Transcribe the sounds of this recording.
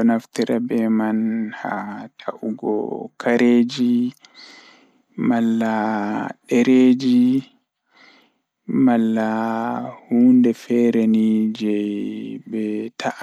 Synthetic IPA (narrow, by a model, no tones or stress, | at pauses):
ɔnaftiɾabɛmanhatʰaʔuɡɔ̰kʰaɾeːd͡ʒi | malːaɗɛɾeːd͡ʒi | malːa | huːndɛfɛɾɛnid͡ʒɛ | bɛtʰaʔ